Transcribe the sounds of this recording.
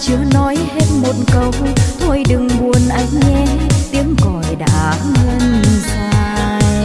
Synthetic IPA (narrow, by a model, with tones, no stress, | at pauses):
t͡ɕɨ˨˦ənɔ˨˦jhe˦˥t̚mo˨˩t̚kə˨˩wt̪ʰo˧jɗɨ˨˩ŋɓu˨˩ənʔa˨˦jŋ̟ːɛ˧t̪i˨˦əŋkɔ˨˩jɗa̰ː˧˥ŋə˧nsaː˧jj